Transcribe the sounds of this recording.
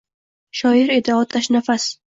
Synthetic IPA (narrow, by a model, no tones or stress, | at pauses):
ʃɒɪɾed̪aɒt̪ʰaʃnafas